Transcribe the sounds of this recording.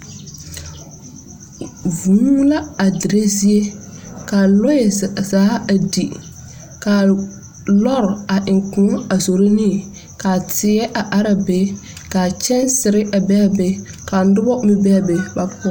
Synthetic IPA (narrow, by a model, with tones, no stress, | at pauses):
vũ˨˦la˦a˨dɪ˨ɾe˦zi˦e˦ka˨lɔ˦ɛ˨zaː˨˦a˨di˨ | ka˨ | lɔ˦ɾa˨ʔɪ˨ŋkʊ̃˨˦a˨zo˨ɾɪ˦nɪ˦˨ | ka˨tʰɪ˨˦ɛ˦ʔa˨ʔa˦ɾa˨beː˨˦ | ka˨t͡ʃɛ˦nsɪ˨ɾɪ˦ʔa˨bɛ˦a˨be˨˦ | ka˨n˦dʊ˦bɔ˦mɪ˦bɛ˦a˨be˨ba˨pʰʊ˦